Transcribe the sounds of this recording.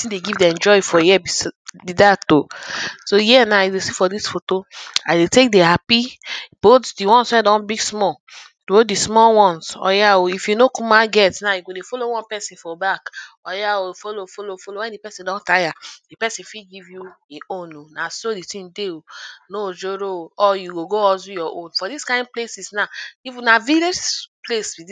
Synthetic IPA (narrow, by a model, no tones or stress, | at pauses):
itĩndeɡivdɛ̃nd͡ʒɔjifɔjɛbibidatosojɛnajidesifɔdisfotoadetek̚dehapib̥otdiwɔ̃nswɛ̃dɔ̃nbiɡsmɔ | dodismɔwɔ̃nsɔ̰jaoifjunokumaɡɛtnajuɡodefolowɔ̃npɛsĩnfɔbak | ɔjaofolofolofolowɛ̃ndipɛsĩndɔ̃ntajad̥ipɛsĩnfiɡivjueʔõnonasoditĩndeonod͡ʒoɾoɔjuɡoɡoɔzujɔʔõnfɔdiskãɪ̃nd̚plesisnaifunaviled͡ʒpleswi